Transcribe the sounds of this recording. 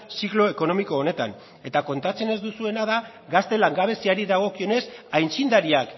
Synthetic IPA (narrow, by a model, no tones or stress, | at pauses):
siklo̞eko̞no̞miko̞ːne̞t̪a̰n | e̞t̪ako̞nt̪at͡se̞ne̞zd̪usue̞naða | ɣast̪e̞laŋɡaβ̞e̞siaɾiðaɣ̞o̞kio̞ne̞sajnt͡sind̪aɾiak